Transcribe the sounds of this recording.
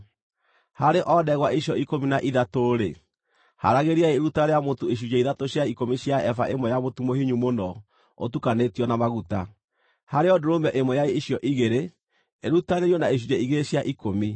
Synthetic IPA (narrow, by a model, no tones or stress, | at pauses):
haɾeʔɔdɛɣwaʔiɕjɔikominaʔiðatoɾe | ha̰ɾaɣeɾiaeːɾutaɾeamotoeɕ̬ud͡ʒaiðatoɕjaikomiɕjaɛfa̰ʔemwɔjamotumohiɲumonɔ | o̰tukanetiɔnamaɣuta | haɾeɔdoɾombɛʔemwɔjaeiɕjɔʔiɣeɾe | eɾutaneɾjɔnaeɕ̬ud͡ʒaiɣeɾeɕjaʔikomi